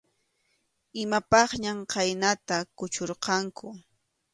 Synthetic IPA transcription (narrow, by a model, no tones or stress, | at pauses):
ɪmapɑχɲamqajnat̪akʊt͡ʃoɾqɑŋkʰʊ